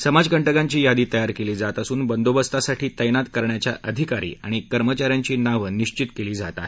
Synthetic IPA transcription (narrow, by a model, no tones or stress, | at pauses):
səmad͡zkəɳʈəkaɲt͡ɕiːjad̪iːt̪əjaɾkeliːd͡zat̪əsuːnbənd̪obəst̪asaʈiːt̪əjnat̪kəɾɳjat͡ɕja̰ʔəd̪ʱikaɾḭːaɽ̃ikəɾmət͡ɕaɾjaɲt͡ɕiːnaʋəniɕt͡ɕit̪keliːd͡zat̪a̰ɦe